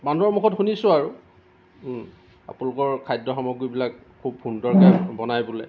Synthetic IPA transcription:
banuɔɹmukʰɔtxunisʊ̃aɹu | a̰pʊnlʊkɔɹkʰajdːɔxɔmɔɡujbilak | kʰːub̚xundɔɹkanbɔnajbulɛ

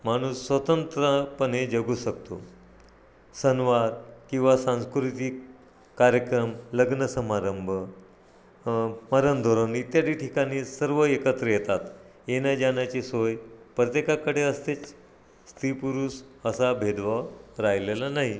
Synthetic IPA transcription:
m̤aɽ̃uːsːʋət̪ənt̪ɾəpəned͡ʑəɡuːɕəkt̪o̰ | sənʋaɾkĩw̃ʋasãñskɾut̪ik | kaɾjəkɾəmləɡnəsəmaɾəmbʱə | maɾənd̪ʱoɾonit̪jad̪iːʈʰikaɽ̃iːsəɾʋəekət̪ɾəjɛt̪at̪ | enjad͡ʑanjat͡ɕisojpɾət̪jekakəɽeəst̪et͡s | st̪ɾipuɾuːsəsabʱed̪ʋaɾajlelanaɦi

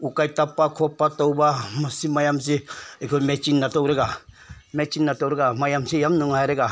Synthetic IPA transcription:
ukajtapːakʰɔpːatɔwbamasimajams̬iekʰɔmet͡ʃinːatɔwɾeɡa | met͡ʃinːatowɾeɡamajamsijamnuŋaɾeɡa

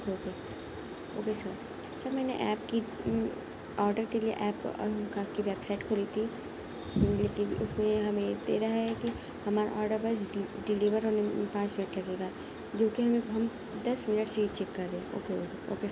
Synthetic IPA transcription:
okoːke | o̰ːkesɐɾ | sɐɾmɛːnḛʔɛːp̚ki | ɔːɾɖəɾkeliḛʔɛːpkakiʋɛːpsaːɪʈkʰoːlit̪ʰi | leːkɪ̃nʊsmẽɦɐmẽjed̪ḛːɾɐɦaɦɛki | hɐmaːɾa̰ʔɔːɾɖəɾbaːɪs̬ɖɪliːʋəɾɦoːnepãːt͡ʃmɪnəʈlɐɡeːɡa | d͡ʒoːkiɦɐmẽɦɐm | d̪ɐsmɪnəʈsit͡ʃɛːkːɐɾːẽːo̰ːkeoːkeo̰ːkesɾ

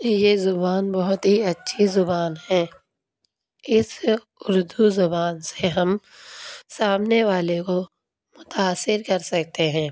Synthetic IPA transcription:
jezʊbaːnbɐɦʊt̪ɦiɐtːʃʰizʊbaːnɦɛ̃ː | ɪs | ʊɾd̪uzʊbaːnseɦɐm | saːmneʋaːleko | mʊt̪aːsːɪɾkɐɾsɐkt̪eɦɛ̃ː

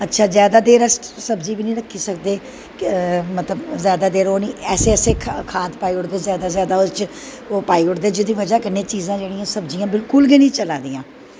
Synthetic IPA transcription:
ətːʃʰaːzjaːd̪aːd̪eːɾəsʈsəbd͡ʒiːbiːnĩːɾəkʰːiːsəkd̪eː | mət̪ləbzjaːd̪aːd̪eːɾoːniːʔɛːseːseːkʰkʰaːt̪paːiːʊɽd̪ezjaːd̪aːzjaːd̪aːot͡ʃ | oːpaːiːʊɽd̪eːd͡ʒɪd̪iːʋəd͡ʒaːkɪnːeːt͡ʃiːzãːd͡ʒeːɽĩjãːsəbd͡ʒijãːbɪlkʊlɡɪnĩːt͡ʃəlaːd̪ĩːãː

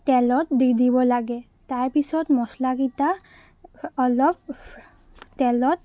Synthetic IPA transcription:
t̪ɛlɔtdid̪ibɔlaɡɛ | t̪aɹpisɔtmɔslaɡit̪a | ɔlɔp | tɛlɔt̪

